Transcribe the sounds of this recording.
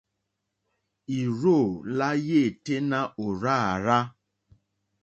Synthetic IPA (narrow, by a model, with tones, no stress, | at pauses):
i˨ɾo˦˨la˦je˦˨te˦na˦ʔo˨ɾa˦˨a˨ɾa˦